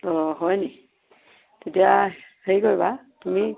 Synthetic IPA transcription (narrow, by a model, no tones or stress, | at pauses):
ɔɦɔjnɛ | tetijaheɹjkojba | tumi